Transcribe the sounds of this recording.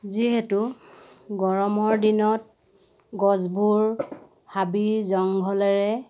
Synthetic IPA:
ziɦɛtu | ɡɔɹɔmɔɹdinɔt̚ | ɡɔzbuɹ | habizɔŋɡʱɔlɛɹɛ

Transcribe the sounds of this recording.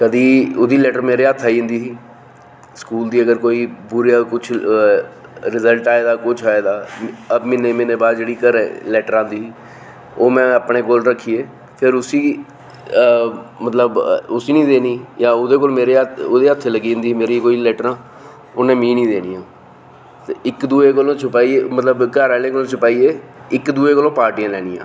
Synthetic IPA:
kəd̪iːoːd̪iːlɛːʈəɾmeːɾeːət̪ʰːaːiːʊ̃nd̪iːsiː | skuːld̪iːəɡəɾkoːiːbʊɾijaːkʊt͡ʃʰ | ɾɪzəlʈaːeːd̪aːkʊt͡ʃʰaːeːd̪aːəbmɪneːmɪneːbaːd̪d͡ʒeːɽiːkəɾḛ̃ːlɛːʈəɾãːnd̪iːsiː | oːmɛ̃ːəpɳeːkoːlɾəkʰːiːeː | pʰɪɾʊsiː | mət̪ləbʊsiːnĩːd̪eːniːjãːʊd̪eːk̬olmeːɾeːoːd̪eːət̪ʰːeːləɡiːʊnd̪iːmeːɾiːkoːiːlɛːʈəɾãː | ʊnẽːmiːnĩːd̪eːniːãː | t̪eːɪkd̪uːeːkəlõːt͡ʃʰʊpaːiemət̪ləbkəɾɛːleːkolõːt͡ʃʰʊpaːiːeːɪkd̪uːeːkəlõːpaːɾʈɪjãːlɛːnɪjã̰ː

